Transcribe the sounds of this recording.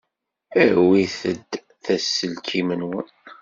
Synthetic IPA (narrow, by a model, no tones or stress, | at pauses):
æwiθəd̪ | θæsːəlkʰimənwən